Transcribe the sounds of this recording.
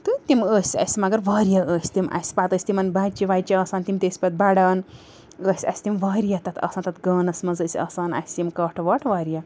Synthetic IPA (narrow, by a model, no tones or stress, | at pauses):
t̪ɨt̪ʲiməːsʲɐ̰sʲmɐɡɐɾʋaːɾjaəːsʲt̪imʔɐ̰sʲpaːt̪əːsʲt̪imɐnbaːt͡ʃiʋaːt͡ʃiɐːsaːnt̪imt̪ʲeːsʲpɐt̪̚baɽaːn | əːsʲɐ̰sʲt̪imʋaːɾjat̪ɐt̪ʰɐ̰ːsaːnt̪ɐt̪ɡɐːnɐsʲmɐzəːsʲɐ̰ːsaːnɐ̰sʲt̪ʲimkɐːʈʰʋɐʈʰʋaːɾija